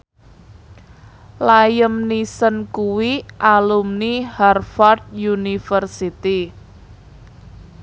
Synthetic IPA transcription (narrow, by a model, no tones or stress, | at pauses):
lajəmnisənkuwiʔalumniharfard̪̚junifərsit̪i